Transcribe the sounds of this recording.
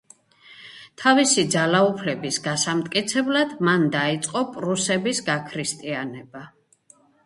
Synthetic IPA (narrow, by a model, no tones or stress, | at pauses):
t̪ʰavisid̪zalaupʰlɛbisɡasamt̪ʼkʼit̪sʰɛblad̪̥mand̪ait̪sʼqʼɔpʼɾusɛbisɡakʰɾist̪ʼianɛba